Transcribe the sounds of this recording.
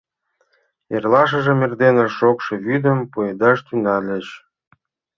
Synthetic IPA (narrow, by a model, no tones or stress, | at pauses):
erlɑʃ̬ə̆ʒĕmerd̪enə̆ʃokʃĕβyd̪əmpued̪ɑʃt̪ynɑlʲĕt͡ɕ